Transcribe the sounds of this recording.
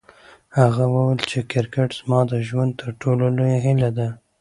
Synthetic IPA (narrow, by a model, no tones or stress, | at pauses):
haɣawəwelt͡ʃekɪɾkaʈz̥mɑd̪əʒwand̪̚t̪əɾʈololojeɦɪlad̪a